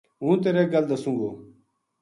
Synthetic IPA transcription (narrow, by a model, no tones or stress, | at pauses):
ɦũːt̪eːɾeːɡəld̪əsũŋɡoː